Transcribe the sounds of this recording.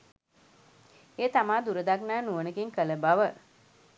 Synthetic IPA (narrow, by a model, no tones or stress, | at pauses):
eːt̪amaːd̪uɾəd̪aknaːnuənəkiŋkələbaʋə